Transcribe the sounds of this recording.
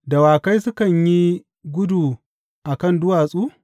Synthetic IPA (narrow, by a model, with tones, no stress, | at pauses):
da˨waː˨ka˦jsʊ˦kɐ˨ɲji˦ | ɡʷʊ˦duː˨ | ʔa˨kɐ˦˨ndʊ˦waː˨sʼuː˦